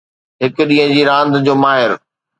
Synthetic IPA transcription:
ɦɪkɗĩɦə̃d͡ʑiːɾãːnd̪d͡ʑoːmaːɦɪɾ

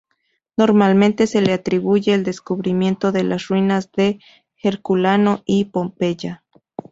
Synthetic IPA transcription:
no̞ɾmalmẽ̞nt̪e̞se̞leat̪ɾiβuʝe̞ːld̪eskuβɾimje̞nt̪o̞ðelʔasrwinazðe̞ | xeɾkulanoʔipo̞mpe̞ʝa

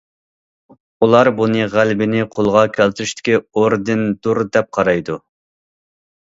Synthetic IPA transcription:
ulˠɑɾbunɨʁælbɪnɪqʰolˠʁɑkʲʰɛlt̪yɾyʃt̪ʰɪ̥kʲʰioɾd̪ɪnd̪̥uɾd̪ɛp̚qʰɑɾɑjd̪u

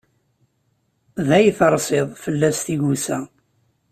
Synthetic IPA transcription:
ðæjθəɾˤsˤɪðˤfəlːæst̪iʝusæ

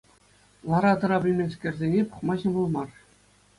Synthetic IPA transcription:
lˠɑɾɑt̪ɤ̆ɾɑbʲɘ̆lʲmʲenʲskʲerʲzʲenʲepu̥χmɑʑɤ̆bɤ̆lˠmɑr

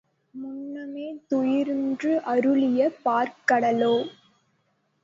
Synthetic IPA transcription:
mʊnːɐmeːt̪ʊjɪɾndrɯʔɐɾɯlɪjɐpaːɾkɐɽɐloː

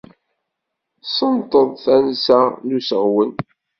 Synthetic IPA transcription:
sənt̪ˤəðˤθænsælusəʁwən

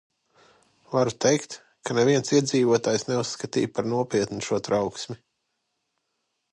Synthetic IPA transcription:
vaɾut̪ejkt̪ | kʰanevʲiɛnsiɛd̪ziːvuɔt̪aːjsnɛusːkat̪ḭːjpaɾnuɔpʲiɛt̪nuʃuɔt̪ɾawksmʲi

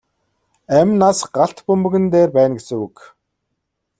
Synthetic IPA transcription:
æmʲnasɢaɬt̪pɵmbɵ̆ɣɘ̆nt̪eːrpæːnɡesɘ̆ŋuk

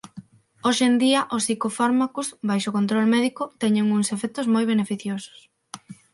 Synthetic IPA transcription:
oʃend̪iɐʔosikofaɾmakosbajʃokont̪ɾolmɛðikʊt̪ɛɲeŋuŋsefɛk̚t̪ʊzmojβ̞enefiθjosʊ̥s

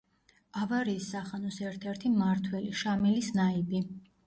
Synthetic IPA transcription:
avaɾiːsːaχanɔsɛɾt̪ʰɛɾt̪ʰimaɾt̪ʰwɛliʃamilisnaibi

